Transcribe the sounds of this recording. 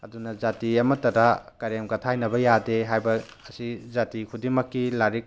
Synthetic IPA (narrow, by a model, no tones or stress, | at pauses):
ɐdunɐzatiɐmɐtɐɾakɐɾemɡɐtʰajnɐbɐjadeɦajbɐː | sizatikʰudiŋmɐkːilaɾik̚